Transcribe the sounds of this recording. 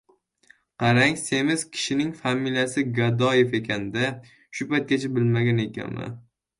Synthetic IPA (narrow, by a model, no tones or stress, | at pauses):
qʰɑɾaŋse̞mɪz̥kʲʰɪ̥ʃɪnɪŋfamiljasɪɡad̪ɒje̞fe̞kʲʰand̪a | ʃʊpajt̪̚kʲat͡ʃʰabɪlmaɡʲane̞kʲʰa̰nmɪ̰